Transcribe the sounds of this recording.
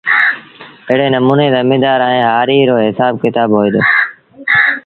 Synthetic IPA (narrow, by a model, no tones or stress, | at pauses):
ɪɦɪɽeːnəmuːneːzəmĩːd̪aːɾãːẽːɦaːɾiːɾoːɦɪsaːb̚kɪt̪aːbɦoːiːd̪oː